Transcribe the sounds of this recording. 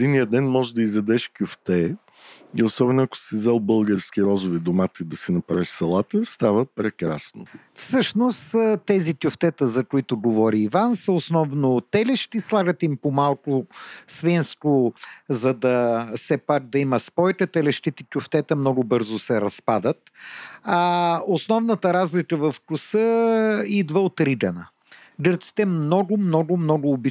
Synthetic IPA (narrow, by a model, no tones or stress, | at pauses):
ɛd̪inijəd̪ɛnmɔʒɛd̪ɐizɐd̪ɛʃkʲjʊft̪ɛ | iosɔbɛnʊɐkʊ̥sizɛlˠbɤlˠɡəɾskʲiɾɔzʊvid̪omat̪əid̪ɐsɛnɐpɾavɛʃsɐlˠat̪əst̪avəpɾɛkɾasno̰ | fsɤʃnost̪t̪ɛzit̪ʲjʊft̪ɛt̪əzɐkʊit̪ʊɡovɔɾiːvansəʊsnɔvnot̪ɛlɛʃt̪islˠaɡət̪impomalˠkʊsvinskʊzɐd̪ɐsɛpak̚d̪ɐimɐspɔjkət̪ɛlɛʃt̪it̪ɛt̪ʲʊft̪ɛt̪əmnɔɡʊbɤɾzʊsɛɾɐspad̪ət̪aosnɔvnət̪ɐɾazlikəvɐfkʊsəid̪vəot̪ɾid̪ɐnə | ɡəɾt̪si̥t̪ɛmnɔɡʊmnɔɡʊmnɔɡʊːbi